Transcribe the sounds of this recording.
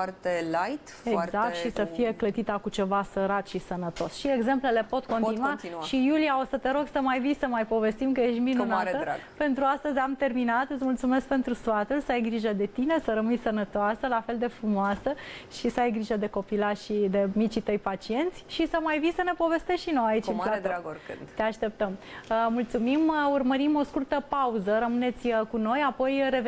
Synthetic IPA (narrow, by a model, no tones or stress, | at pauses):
t̪elajt̪ | ezakkt̪ʃisəfije̞klət̪it̪akut͡ʃe̞vasəɾat̪ʃisənət̪o̞sʃieɡze̞mple̞lepo̞t̪koninuatiʃijulijao̞sət̪eɾo̞ɡsəmajvisəmajpo̞ve̞st̪imkəje̞ʃt̪minnaəpe̞nt̪ɾuast̪əzʲamt̪e̞rminat̪ɨt̪sʲmult̪sume̞sk̚pe̞nt̪ɾusfat̪ulsəajɡɾiʒəd̪e̞t̪ine̞səɾəmɨjsənət̪oasəlafe̞ld̪e̞fɾumoasəʃisəajɡɾiʒəd̪e̞ko̞pilaʃid̪e̞mit͡ʃit̪əjpat͡ʃie̞nt̪sʲʃisəmajvisəne̞po̞ve̞st̪esʃinojait͡ʃimat̪akɨ̰t̪e̞aʃt̪e̞p̚t̪əmmult̪sumimurməɾimo̞skurt̪əpauzəɾəmɨne̞t̪sʲkuno̞japo̞jre̞v